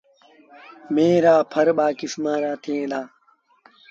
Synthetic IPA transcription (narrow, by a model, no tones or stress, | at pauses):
mẽːɾaːpʰəɾɓaːkɪsmãːɾaːt̪ʰẽːd̪aː